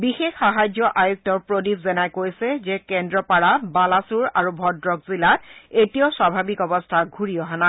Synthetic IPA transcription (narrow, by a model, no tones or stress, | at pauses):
bixexːaɦajd͡ʒɔʔajuk̚tɔɹpɹodipzɛnajkojsɛzɛkɛndɹɔpaɹabalasuɹaɹubʱɔdɹɔkzilat̚etijoswabʱabikɔbɔstʰaɡʱuɹijɔɦana